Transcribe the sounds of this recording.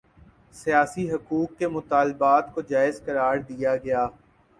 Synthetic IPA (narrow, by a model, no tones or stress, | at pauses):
sijaːsiɦɐkuːkːemʊt̪aːlɪbaːt̪kod͡ʒaːɪzkɐɾaːɾd̪ijaɡɐjaː